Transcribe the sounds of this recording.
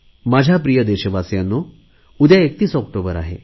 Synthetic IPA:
mad͡ʑʱjapɾijəd̪eɕəʋasjanːo | ud̪jaekt̪iːsɔkʈobəɾa̰ɦḛ

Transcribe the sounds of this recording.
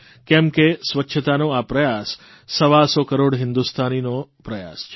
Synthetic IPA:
kɛmkesʋətːʃʰət̪anoapɾəjasː | əʋasɔkəɾoɽɦɪ̃nd̪ust̪ʰaninopɾəja̰st͡ʃʰe

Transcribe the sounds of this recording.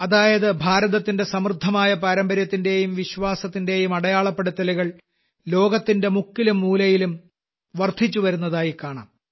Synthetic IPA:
ɐðaːjɐðɨbʱaːɾɐðɐt̪ːinde̞sɐmrd̪ʱːɐmaːjɐpɐɾɐmbɐɾjɐt̪ːinde̞jumʋiɕʋaːsɐt̪ːinde̞ːjumɐɽɐjaːɭɐpːeɽut̪ːɐliɣɐɭ | lo̞ːɡɐt̪ːinde̞mukːilumːuːlɐjilum | ʋɐrt̪it͡ɕːuʋɐɾunːɐðaːjikːaːɳa̰ːm

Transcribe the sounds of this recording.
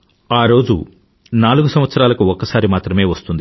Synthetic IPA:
aːɾo̞ːd͡ʒṵ | naːluɡusɐm̃ʋɐt̪sɐɾaːlɐkuɔkːɐsaːɾimaːt̪ɾɐme̞ːʋɐst̪und̪i

